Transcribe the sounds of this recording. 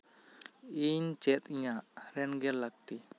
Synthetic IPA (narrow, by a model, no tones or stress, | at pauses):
iɲt͡ʃɛt̪ijãʔɾɛnɡɛɾlaɡt̪i